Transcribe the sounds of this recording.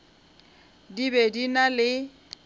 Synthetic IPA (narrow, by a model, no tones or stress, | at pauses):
dibedinalɪ